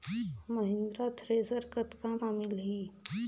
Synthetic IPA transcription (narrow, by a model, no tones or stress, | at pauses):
məɦɪ̃nd̪ɾat̪ʰɾeːzəɾkət̪kamamɪlɦiː